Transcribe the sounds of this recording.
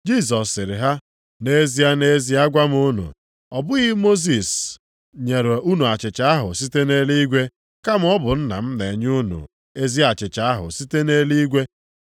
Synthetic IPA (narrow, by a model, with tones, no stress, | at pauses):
d͡ʒi˦˨s̬ɔ˨sːɪ˨ɾɪ˨ɦa˦ | ne˦zi˦a˦ne˦zi˦a˦ɡʷa˦m˦o˦nṵ˨ | ɔ˨bʊ˦ɣi˦mo˦z̬i˨s | ɲe˨ɾo˨u˦nu˨a˨t͡ʃɪ˨t͡ʃa˨a˦ɦʊ˨si˦te˦ne˦li˦ɡʷe˦ | ka˦m˦ɔ˦bʊ˨n̩˦na̰˨m̩˦ne˨ɲ˦u˦nṵ˨ | e˦zi˦a˨t͡ʃɪ˨t͡ʃa˨a˦ɦʊ̰˨si˦te˦ne˦li˦ɡʷe˦